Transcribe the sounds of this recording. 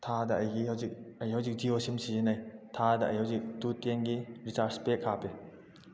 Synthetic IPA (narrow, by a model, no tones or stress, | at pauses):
tʰadɐːjɡiawzik̚ɐjhawzik̚d͡ʒiosimsizenajtʰadɐɐ̰jhawzik̚tutenɡiɾisaɾspekʰːape